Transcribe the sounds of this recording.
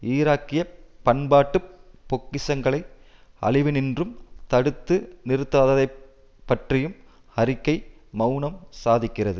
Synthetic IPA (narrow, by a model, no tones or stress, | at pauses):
iːɾaːkːɪjɐpːɐnbaːʈːɯpːɔkːɪsɐŋɡɐɭɐɪ | ɐ̰ɭɪʋɯnɪndrɯmt̪ɐɽɯt̪ːɯnɪɾɯt̪ːaːðɐðɐɪ | pːɐʈrɪjɯm | ɐɾɪkːɐɪmɐʊnɐmsaːðɪkːɪrɐðɯ